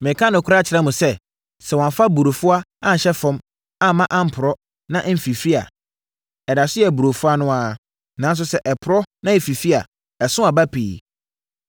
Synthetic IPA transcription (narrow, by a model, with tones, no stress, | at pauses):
mɪ̃˨kʰã˦nʊ̃˨kʰʊ˦ɾa˦t͡ɕʰɪ˨ɾã˦mʊ̃˨sɛ˦ | sɛ˨wɔ̃˨m˨fa˦bu˨ɾo˨fʊ˦a˦ã˦n˨ɕɛ˦fɔ̃˦m | a˦˨mã˦ʔã˦m̩˨pʰʊ˨ɾɔ˦ | nã˦m̩˨fi˨fi˦a̰˨ | ɛ˨da˨sʊ˦jɛ˨bu˨ɾo˨fʊ˦a˦nʊ̃˦a˨ | nã˨˦n˦s̬ʊ˦sɛ˦ʔɛ˨pʰʊ˨ɾɔ˦nã˦e˨fi˨fi˦a̰˨ | ɛ˨sʊ̃˦a˨ba˦pʰḭː˨